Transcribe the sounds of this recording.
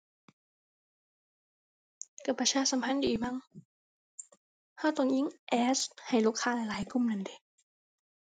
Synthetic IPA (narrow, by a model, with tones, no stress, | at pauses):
ka˨˧˩pːa˧t͡ɕʰaː˧˥sa˨˦mpʰa˧˥˨ndiː˨˩ma˧˥˨ŋ | ha˧˥˩t̪ɔ˧˩ŋji˧˥˨ŋʔɛː˧˦˥sha˨˩jluː˥˩kʰːaː˧˥˨la˨˧˩jlaː˨˦jku˧˥˩mna˧˩nde˧˩